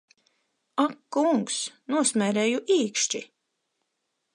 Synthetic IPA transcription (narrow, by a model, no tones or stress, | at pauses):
akːuŋksnuɔsmʲɛːɾɛːjuʔiːkʃt͡ʃi